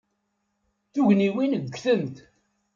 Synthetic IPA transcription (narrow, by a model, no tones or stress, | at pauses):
θuʝniwinəɡʷːθəmt̪